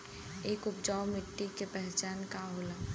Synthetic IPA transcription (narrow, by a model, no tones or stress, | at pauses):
eːkʊpd͡ʒaːʊmɪʈːikepɛɦt͡ʃaːnkaɦoːla